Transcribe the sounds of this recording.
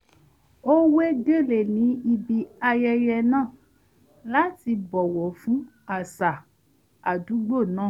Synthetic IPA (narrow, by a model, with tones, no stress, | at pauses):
o˦we˦ɡe˦le˨nĩ˨˦i˧bi˧a˧jɛ˧jɛ˧nãː˦˨ | la˨˦ti˧bɔ˨wɔ˨fũ˦ | a˦˨sa˨ | a˨du˨˦ɡ͡bo˦˨nãː˦˨